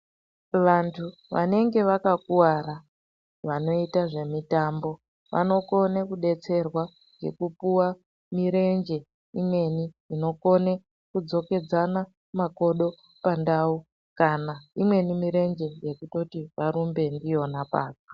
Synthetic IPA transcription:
ʋantʰuʋa̰ne̞ŋɡe̞ʋakakuwaɾa | ʋano̞itaʐe̞mitambo̞ | ʋa̰no̞ko̞nekuɗe̞t͡se̞rwa | ŋɡe̞̰kupuwa | miɾe̞nd͡ʒe̞ | imwe̞ni | ino̞ko̞ne | kud͡zo̞ke̞d͡zana | mako̞ɗo̞ | pandau | kanaimwe̞nimiɾe̞nd͡ʒe̞je̞kuto̞tiʋaɾumbe̞ndio̞napa̰ːkḁ

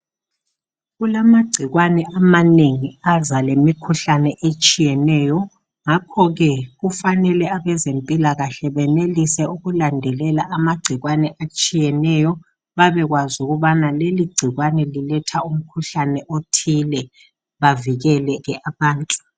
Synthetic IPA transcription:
ɣulamaɡ͡ǀʱiɣwanɛʔamaneŋiazalemikʰuɬanɛʔet͡ʃʼijɛnɛːjɔ | ŋakʰɔɣɛɣufanɛlɛaβɛzempʼilaɣaɬɛβɛnelisɛʔuɣulandʱɛlɛlaʔamaɡ͡ǀʱiɣwanɛʔat͡ʃʼijɛnɛjɔ | βaβɛɣwazuɣuβanaleliɡ͡ǀʱiɣwanɛlilɛtʰaum̩kʰuɬanɛʔotʰilɛ | βaviɣɛlɛɛʔaβaːntʼu̥

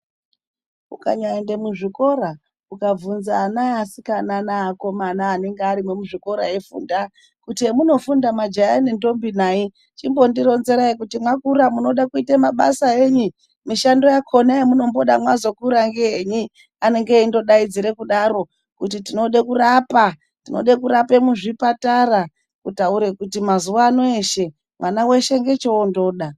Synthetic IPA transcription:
uka̰ɲaendemuʐiko̞ɾa | ukavunzaːnaasikananaːko̞manaːne̞ŋɡaɾimwemuʐiko̞ɾaje̞fṵːnda | kutiemuno̞fundamad͡ʒajane̞ndo̞mbinai | t͡ʃimbo̞ndiɾo̞nze̞ɾaikutimwakuɾamuno̞ɗakuitamaɓa̰sae̞ɲu | miʃando̞jakʰo̞naimuno̞mbo̞ɗamwazo̞kuɾaŋɡeeɲi | ane̞ŋɡeindo̞ɗaid͡ziɾe̞kuɗaɾo̞ | kutitino̞ɗekurapa | tino̞̰ɗekuɾape̞muʐipatara | kutauɾekutimazuʋaːno̞eʃe̞ | mwanawe̞ʃe̞ŋɡe̞t͡ʃoondo̞ːɗa

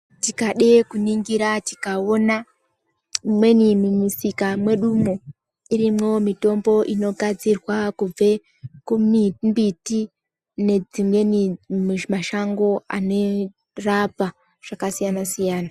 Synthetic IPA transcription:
tikaɗekuniŋɡiɾati̥kaona | mmwe̞nimimisikamwe̞ɗumo | irimweomito̞mbo̞ʔino̞ɡʱad͡zirwakub͡ve̞ | kumimbiti | ne̞d͡zimwe̞nimumaʃaŋɡo̞a̰ne | rapa | ʐ̥akasijanasijaːna

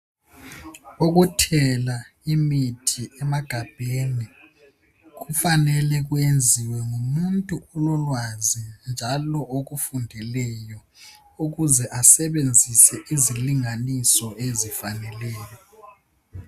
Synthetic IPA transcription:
oɣutʰɛlaimitʰiɛmaɡ̥ʱab̥ʱeːni | ɣufanɛlɛɣwend͡zʱiwɛŋumuntʼuɔlɔlwazind͡ʒʱalɔoɣufundʱɛlɛjɔ | uɣuzɛʔasɛβend͡zʱisɛʔiziliŋanisɔezifanɛlɛːjɔ

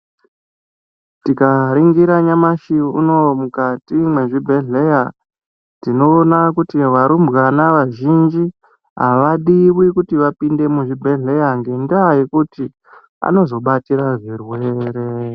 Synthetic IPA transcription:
tikaɾiŋɡiɾaɲamaʃiṵnomukatimwe̞ʐibʱe̞ɮe̞ja | tino̞ːnakutiʋaɾumbɣanaʋaʒind͡ʒi | ɦa̰ʋaɗiwikutiʋapinde̞muʐibʱe̞ɮe̞jaŋɡe̞ndajekuti | a̰no̞zo̞ɓatiɾaʐirwe̞ːɾe

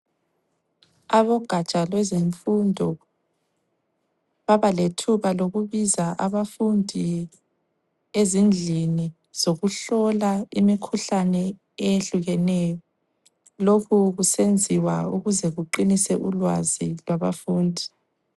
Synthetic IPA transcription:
aβɔɡ̥ʱat͡ʃʼalwɛzeɱfundʱɔ | βaβaletʰuβaloɣuβizaʔaβafundʱi | ezind͡ɮʱini | z̥oɣuɬɔlaimikʰuɬanɛ | ejɬuɣɛnɛːjɔ | lokʰuɣusend͡zʱiwa̰uɣuzɛɣuǃinisɛʔulwazilwaβa̰fuːndʱi

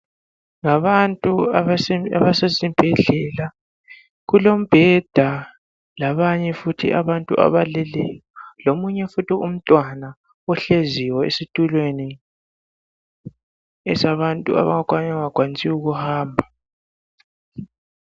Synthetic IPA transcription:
ŋaβantʼu | a̰βasesimb̥ʱɛɮɛla | ɣulom̩b̥ʱɛd̥ʱa | laβaɲɛfutʰḭʔa̰βantʼṵʔa̰βalɛlɛjɔlomuɲɛfutʰium̩tʼwana | ɔɬeziwɛḛsitʼulweni | ɛsaβantʼṵa̰βa̰ŋakwaɲaŋakwanisʼiuɣuhaːmbʱa

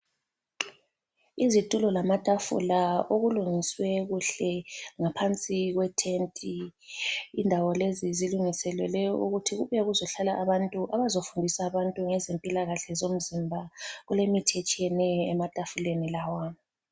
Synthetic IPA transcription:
izitʼulɔlamatʼafṵlaoɣuluŋiswɛɣuɬɛŋapʰant͡sʼiɣwɛtʰentʼiː | ndʱawɔleziziluŋisɛlwɛlɛjɔ̰ʔṵɣutʰiɣuβɛɣuzɔɬalaʔaβantʼuʔaβazofundʱisaːβantʼuŋɛzempʼilaɣaɬɛzom̩zimbʱaɣulemitʰet͡ʃʼijɛnɛjɔɛmatʼafulenilawam

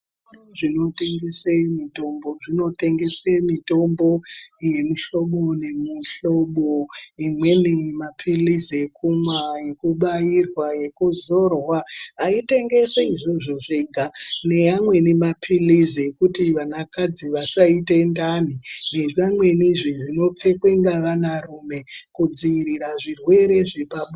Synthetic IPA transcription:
rʐinoteŋɡesemito̞mboʐino̞te̞ŋɡe̞semito̞mbo̞je̞miɬo̞ɓo̞ne̞muɬo̞ɓoimwe̞nimapʰiliziekumwaje̞kuɓajirwaje̞kuzorwaːite̞ŋɡe̞seiʐo̞ʐo̞ʐiɡʱane̞amwe̞nemapʰiliziekutiʋanakad͡ziʋasaite̞ndanineʐamwe̞niʐiʐino̞p͡fe̞kweŋɡaʋanarume̞kud͡ziiɾiɾaʐirwe̞ɾe̞ʐepaɓu

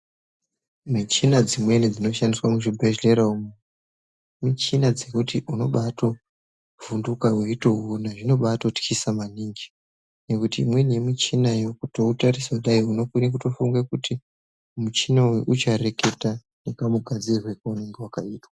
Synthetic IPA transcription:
mit͡ʃinad͡zimwe̞ned͡zino̞ʃandiswamuʐibʱeʒle̞ɾaumu | mit͡ʃinad͡ze̞kutiʔuno̞ɓato̞ | vundukauitoɦunaʐino̞ɓatotkʰisamaniŋɡi | ne̞kutiːmwe̞njemit͡ʃinajokutoutarisauɗaiuno̞kunek̬uto̞fuŋɡakuti | mut͡ʃinaiʔut͡ʃare̞keta | nekamuɡʱad͡zirwekauneŋɡewakaiːtwḁa

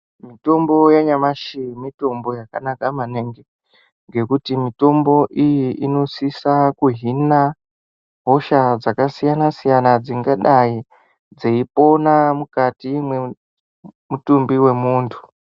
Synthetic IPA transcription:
mito̞mbo̞jaɲamaʃimito̞mbo̞jaka̰nakamaneŋɡe | ŋɡe̞kutimito̞mbo̞ʔijiʔino̞sisakuɦina | ɦo̞ʃad͡zakasijanasijanad͡ziŋɡaɗai | d͡zeipo̞namukatimwe | mutumbiwe̞muːntʰu̥

